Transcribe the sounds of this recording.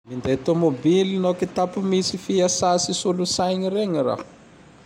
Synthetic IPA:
mind̪eat̪omobilinokit̪apumisifiasasisulusajɲiɾeŋiɾa̰

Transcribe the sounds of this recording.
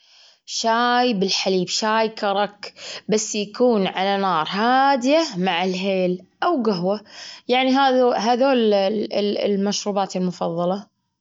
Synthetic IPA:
ʃaːjbɪlħaliːbʃaːjkʰɑɾˤɑkbasːjakuːnʕalanɑːɾˤɦaːd̪ɪjamaʕɪlɦeːlʔawɡʊɦwajaʕniɦaːðɦaðoːl̰ | lmaʃɾuːbaːt̪ɪlmʊfɑðˤːɑlɑ

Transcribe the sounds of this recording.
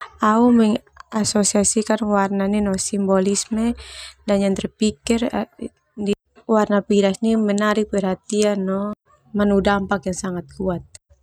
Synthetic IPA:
aumɛŋʔasosiasikanwarnaninɔsimbɔlismɛdaɲant̪ɛrpikir | ni | warnapiɾasnimɛnaɾipɛɾhɦat̪ianːɔ | manudampakjaŋsaŋat̪̚kuat̪̚

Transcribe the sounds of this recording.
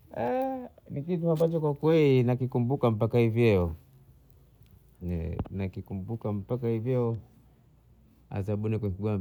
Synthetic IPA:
ɛnikituambat͡ʃɔkwakwɛlinakikumbukam̩pakahivjɛɔ | ɛnakikumbukam̩pak̬ahivjɛɔ | a̰zaɓunikwɛɲkiɡa

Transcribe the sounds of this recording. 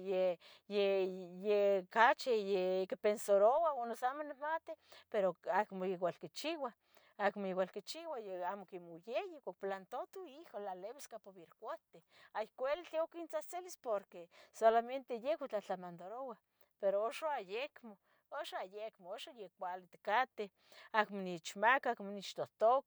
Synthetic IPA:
je | jejekat͡ʃejekepensoɾowaonosamonemat̪epeɾoakmojewalkit͡ʃiwa | akmojewalkit͡ʃiwajeamokimojejekak̚plant̪ot̪uiholaleβeskapoβiɾkʷot̪eajkʷelt͡ɬiokint͡saht͡selispoɾkesolament̪ejekit͡ɬat͡ɬamand̪oɾowa | peɾooʃoajekmo | oʃaajekmooʃojekʷalit̪kat̪e | akmonit͡ʃmakaakmonit͡ʃt̪oht̪ok

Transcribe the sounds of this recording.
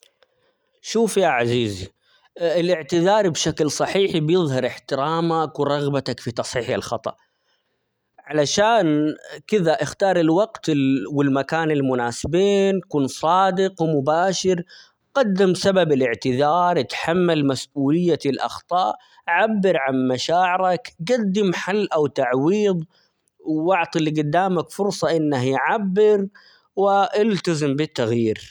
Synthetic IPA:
ʃuːfjaʕaziːzi | ɪlɪʕt̪ɪðɑːɾˤbʃaklsˤɑħiːħbjɪðˤhɑɾɪħt̪ɪɾaːmakwɪɾˤɑɣbat̪akfit̪ɑsˤħiːħa̰lxɑt̪ˤɑ̰ʔ | ʕalaʃaːnkɪðaʔɪxt̪ɑːɾˤɪlwɑɡt̪ɪwɪlmakaːnɪlmʊnaːsɪbiːnkuːnsˤɑːd̪ɪqwmʊbaːʃɪɾ | qad̪ːɪmsababɪlɪʕt̪ɪðɑːɾˤɪt̪ħamːalmasʔuːlɪjːaɪlʔɑ̰xt̪ˤɑːʔ | ʕabːɪɾʕanmaʃaːʕɪɾakɡad̪ːɪmħalːʔawt̪aʕwiːðˤ | wʔʊʕt̪ˤiliɡʊd̪ːaːmakfʊɾsˤɑʔɪnːaɦjʕabːɪɾ | wɪʔɪlt̪azɪmbɪt̪ːaɣjiːɾ

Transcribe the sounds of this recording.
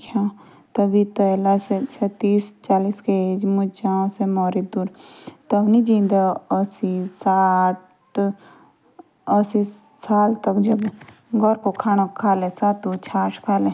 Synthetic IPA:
kʰa | t̪ɐbʱit̪əlaseset̪iːst͡ʃaːliːskeed͡ʒmʊt͡ʃd͡ʒaõsemɔːɾed̪uːɾt̪ɐbnid͡ʒĩːnd̪aɔsisaʈ | ɔsi | saːlt̪ɐkd͡ʒɐb | ɡɔɾkokʰaːñakʰaːlesaːt̪ut͡ʃʰaːʈʰkʰaːlẽ

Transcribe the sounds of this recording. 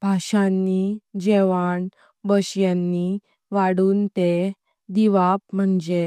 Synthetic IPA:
b̥ʱaɕanːid͡ʑeʋaɳ | bəɕjanːi | ʋaɽuːnt̪e | d̪iʋapm̤əɳd͡ʑe

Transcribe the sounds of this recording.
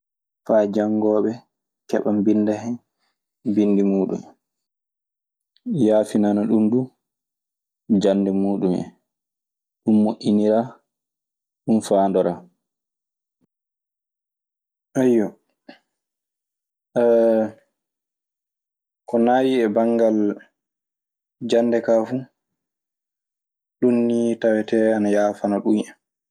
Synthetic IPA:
faːd͡ʒaŋɡɔːɓɛ | kɛɓambindɛɦɛn | binːdimuːɗṵm | jaːfinanaɗundu | d͡ʒandɛmuːɗumɛ̰ | ɗunːoʔʲːiniɾa | ɗunfaːndɔɾaː | ʔajːɔ | kɔnaːwiɛbaŋɡal | d͡ʒanːdɛkaːfu | ɗunːitawɛtɛanajaːfanaɗunɛ

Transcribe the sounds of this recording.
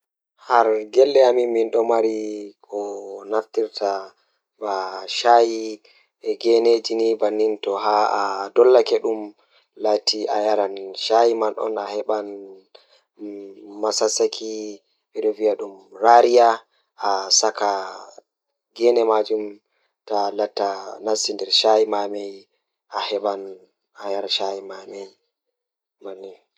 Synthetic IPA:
haɾɡɛlːɛamiminɗɔmaɾikʰɔnaftiɾtʰa | baʃaji | ɛɡɛned͡ʒinibanːintɔɦaadɔlːakɛɗum | latʰiʔajaɾanʃajimanʔɔ̰nahɛɓan | masasakʰi | ɓɛɗɔviaɗumɾaɾija | ʔasaka | ɡɛnɛmad͡ʒum | talatːanasindɛɾʃajimamɛj | ʔahɛɓan | ajaɾaʃajimamɛj | manːin

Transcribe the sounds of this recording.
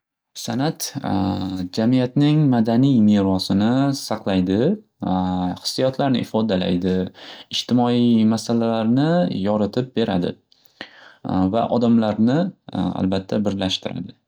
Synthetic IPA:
sanat̪ | d͡ʒamijat̪nɪŋmad̪anijmeɾɒsɪnɪsɑqlˠajd̪ɪ | χɨ̥sːijɒt̪ʰlaɾnɪ̰ʔɪfɒd̪ala̰jd̪ɪɪʃt̪ʰɪmɒimasalalaɾnɪjɒɾɪt̪ʰɪp̚be̞ɾʔa̰d̪ɪ̰ | va̰ʔɒd̪amlaɾnɪa̰lbat̪ʰːabɪɾlaʃt̪ɪɾa̰d̪ɪ

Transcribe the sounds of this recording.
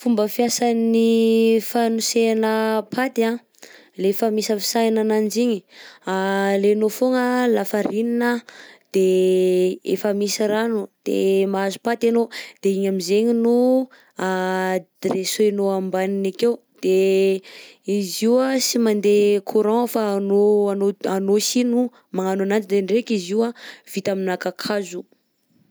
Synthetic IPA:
fumbəfiasanifanuseanəpʰat̪iã | lefəmisəfi̥sajnanand͡ʒiɲi̥alenofoŋəlafaɾininad̪̥e | ḛfəmisəɾanud̪̥ḛmaazu̥pat̪anod̪̥eiɲamizeɲinu | ad̪̥ɾesoenoambaninakew | d̪̥e | iziwasimand̪ekʰuɾãfanoanoanosinu | maŋananand͡ʒid̪eɳrekiziwav̥it̪aminakakʰazu

